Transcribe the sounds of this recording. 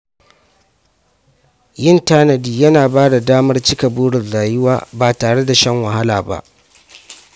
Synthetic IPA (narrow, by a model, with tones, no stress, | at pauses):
jɪ˦ntaː˦nɐ˨diː˨jɐ˦naː˨baː˦da˨daː˦mɐ˦rt͡ʃɪ˦ka˨buː˦ɽɪ˨nzaː˨jɪ˦waː˦baː˨taː˨ɽe˦da˨ʃɐ˦ŋwɐ˨ɦa˦laː˨ba̰˦ʔ